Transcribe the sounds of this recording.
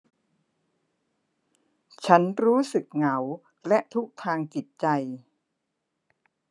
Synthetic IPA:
t͡ɕʰa˦˥nɾuː˦˥sɯ˨˩k̚ŋa˩˦w | lɛ˦˥ʔt̪ʰu˦˥k̚t̪ʰaː˧ŋt͡ɕi˨˩t̪̚t͡ɕa˧j

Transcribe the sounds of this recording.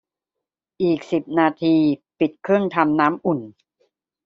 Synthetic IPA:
ʔiː˨˩k̚si˨˩p̚naː˧t̪ʰiː˧pi˨˩t̪̚kʰɾɯ˥˩əŋt̪ʰa˧mnaː˦˥mʔu˨˩n

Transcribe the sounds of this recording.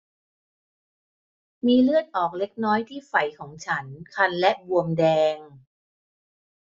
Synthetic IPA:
miː˧lɯ˥˩ət̪̚ʔɔː˨˩k̚le˦˥k̚nɔː˦˥jt̪ʰiː˥˩fa˨˩jkʰɔː˩˦ŋt͡ɕʰa˦˥nkʰa˧nlɛ˦˥ʔbu˧əmdɛː˧ŋ

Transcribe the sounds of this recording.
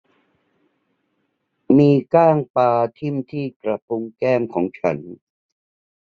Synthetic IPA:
miː˧kaː˥˩ŋpaː˧t̪ʰi˥˩mt̪ʰiː˥˩kɾa˧˩p̚ʰu˧ŋkɛː˥˩mkʰɔː˩˦ŋt͡ɕʰa̰˦˥n

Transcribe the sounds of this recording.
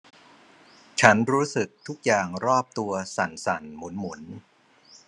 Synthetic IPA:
t͡ɕʰa˦˥nɾuː˦˥sɯ˨˩k̚t̪ʰu˦˥k̚jaː˨˩ŋɾɔː˥˩p̚t̪u˧ɐsa˨˩nsa˨˩nmu˩˦nmu˩˦n

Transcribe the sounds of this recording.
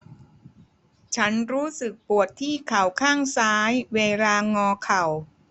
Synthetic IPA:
t͡ɕʰa˦˥nɾuː˦˥sɯ˨˩k̚pu˨˩ət̪ʰːiː˥˩kʰa˨˩wkʰaː˥˩ŋsaː˦˥jweː˧laː˧ŋɔː˧kʰa˨˩w

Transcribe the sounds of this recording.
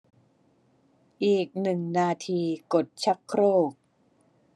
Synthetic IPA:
ʔiː˨˩k̚nɯ˨˩ŋnaː˧t̪ʰiː˧ko˨˩t̪̚t͡ɕʰa˦˥kʰɾoː˥˩k̚

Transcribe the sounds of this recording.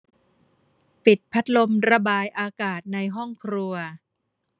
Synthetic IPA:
pi˨˩t̪̚pʰa˦˥t̪̚lo˧mɾa˧baː˧jʔaː˧kaː˨˩t̪̚na˧jɦɔ˥˩ŋkʰɾu˧ɐ

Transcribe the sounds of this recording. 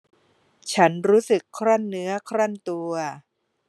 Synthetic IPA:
t͡ɕʰa˦˥nɾuː˦˥sɯ˨˩kʰːɾa˥˩nːɯ˦˥ɐkʰɾa˥˩nt̪u˧ɐ

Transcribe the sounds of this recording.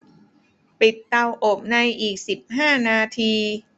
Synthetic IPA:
pi˨˩t̪ːa˧wʔo˨˩p̚na˧jʔiː˨˩k̚si˨˩p̚ɦaː˥˩naː˧t̪ʰiː˧

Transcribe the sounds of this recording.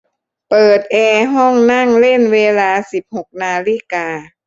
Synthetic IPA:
pɤː˨˩t̪̚ʔɛː˧ɦɔ˥˩ŋna˥˩ŋle˥˩˨nweː˧laː˧si˨˩p̚ho˨˩k̚naː˧li˧˥˩kaː˧

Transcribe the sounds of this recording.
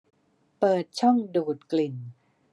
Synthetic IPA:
pɤː˨˩t̪̚t͡ɕʰɔ˥˩ŋduː˨˩t̪̚kli˨˩n

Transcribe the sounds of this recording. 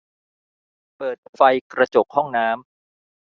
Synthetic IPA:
pɤː˨˩t̪̚fa˧jkɾa˧t͡ɕo˨˩k̚hɔ˥˩ŋnaː˦˥m

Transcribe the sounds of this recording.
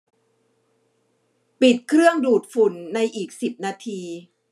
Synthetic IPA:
pi˨˩t̪̚kʰɾɯ˥˩əŋduː˨˩t̪̚fu˨˩nːa˧jʔiː˨˩k̚si˨˩p̚naː˧t̪ʰiː˧

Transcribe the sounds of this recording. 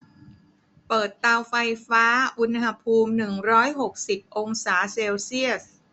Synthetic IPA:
pɤː˨˩t̪ːaː˧wfa˧jfaː˦˥ʔu˧nha˧pʰuː˧mnɯ˨˩ŋɾɔː˦˥jɦo˨˩k̚si˨˩p̚ʔo˧ŋsaː˩˦seː˧wsi˥˩əs

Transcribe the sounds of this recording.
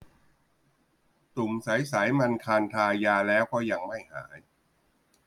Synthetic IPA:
t̪u˨˩msa˩˦jsa˩˦jma˧nkʰaː˧nt̪ʰaː˧jaː˧lɛː˦˥wkʰɔː˥˩ja˧ŋma˥˩jha̰ː˩˦n

